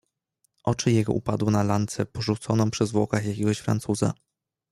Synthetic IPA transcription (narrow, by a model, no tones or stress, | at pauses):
ʔɔt͡ʂɘjɛɡɔ̰ʔupad̪wɘnalant̪sɛpɔʐut̪sɔnɔ̃w̃pʂɛzvwɔ̰kaxjakʲɛɡɔɕfɾa̰nt̪suza̰